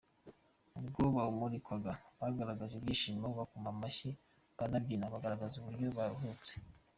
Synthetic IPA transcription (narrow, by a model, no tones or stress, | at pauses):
ubɡoːβaumuɾikwaɡaβaɡaɾaɡaʒubjiːʃimaβakumamaçi | βanabɡinaβaɡaɾaɡazuβuɾɟoβaɾuɦut͡se̥